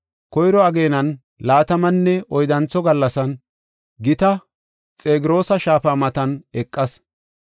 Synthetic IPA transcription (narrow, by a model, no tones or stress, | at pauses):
kɔjɾɔɐɡe̞ːnɐn | laːt̪ɐmɐnːɛɔjd̪ɐnt͡sːɔɡɐlːɐsɐn | ɡɪt̪ɐ | t͡sʼe̞ːɡɪɾo̞ːsɐʃaːfaːmɐt̪ɐnɛkʼːɐs